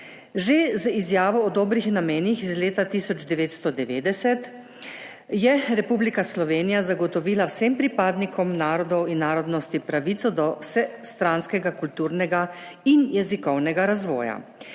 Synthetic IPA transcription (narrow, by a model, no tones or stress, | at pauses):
ʒezizjaːʋɔːd̪oːbɾixnameːnjixizleːt̪at̪iːsɔd͡ʒd̪ɛʋeːt̪st̪ɔd̪ɛʋeːd̪ɛsɛt̪ | jɛɾɛpublikaslɔʋeːnijazaɡɔt̪ɔʋiːlawsempɾipaːd̪nikʰɔmnaːɾɔd̪ɔwinːaːɾɔd̪nɔst̪ipɾaʋiːt̪sɔd̪ɔwsɛst̪ɾanskɛɡakult̪uːɾnɛɡainjɛzikɔwnɛɡaɾazʋɔ̰ːja̰